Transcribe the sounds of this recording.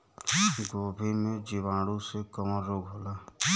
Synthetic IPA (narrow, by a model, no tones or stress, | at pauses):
ɡoːbʱimẽːd͡ʒiʋãːɽuːsekəmaɾoːɡɦolaː